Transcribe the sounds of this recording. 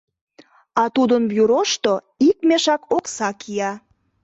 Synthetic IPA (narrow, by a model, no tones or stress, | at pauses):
ɑt̪ud̪ənbjyɾoʃt̪o | ik̚meʃɑkoksɑkʰiɑ